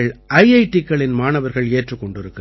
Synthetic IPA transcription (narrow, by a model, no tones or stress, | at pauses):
ɐɭʔɐjɐɪʈːɪkːɐɭɪnmaːnɐʋɐɾɣɐɭeːʈrɯkːɔɳɖɪɾɯkːɯ